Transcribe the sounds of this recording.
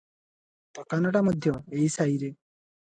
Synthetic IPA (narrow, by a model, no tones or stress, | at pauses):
t̪ɔkanɔʈamɔd̪ʱjɔeisaiɾe